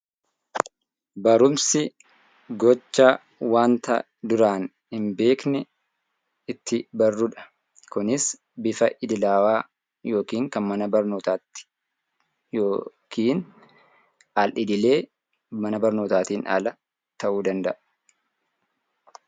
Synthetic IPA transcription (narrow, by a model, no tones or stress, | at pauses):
bɐɾʊmsɪ | ɡɔt͡ʃːa | waːnt̪ɐ̰ | d̪ʊɾaːn | hɪmbe̞ːknɛ | ɪt̪ʰːɪbɐrːʊᶑɐ̥ | kʊnɪs | bɪfɐʔɪd̪ɪlaːwaː | jo̞ːkiːŋkɐnmɐnɐbɐɾno̞ːt̪aːt̪ːɪ̥ | joːkʰiːn | alʔɪd̪ɪle̞ː | mɐnɐbɐɾno̞ːt̪aːt̪iːna̰lɐ | t̪ɐʔuːd̪ɐnd̪ɐʔɐ̥